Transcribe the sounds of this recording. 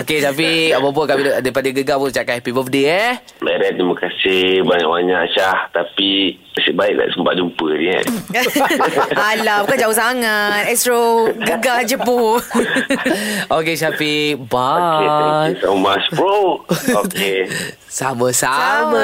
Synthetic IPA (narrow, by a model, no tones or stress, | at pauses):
okesap̬iapap̬ukamiddaipadəɡəɡapunt͡ʃakahɛpibɔfdiɛ | baɾɛt̪̚dimakasihbaɲa̰ʔbaɲaʔt͡ʃaht̪api | əsibaik̚da̰ʔsəmpa̰ʔ̚d͡ʒumpəniɛ̰ | alabukand͡ʒausaŋat̪̚ɛstɾoɡəɡad͡ʒəpo | okesapibaesamaspɾooke | samə̃sama